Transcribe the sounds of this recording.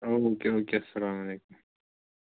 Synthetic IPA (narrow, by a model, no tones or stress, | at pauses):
oːoːkeoːkeɐsːɐlaːmɐleːkʊm